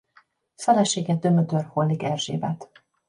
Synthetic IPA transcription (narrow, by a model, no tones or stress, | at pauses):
fɛlɛʃeːɡɛd̪ømøt̪ørholːikɛlʒḛːbɛt̪